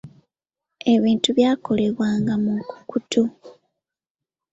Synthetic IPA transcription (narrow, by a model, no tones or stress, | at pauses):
e̞βiːntuβjaːko̞le̞βwaːŋɡamuku̥kutʰu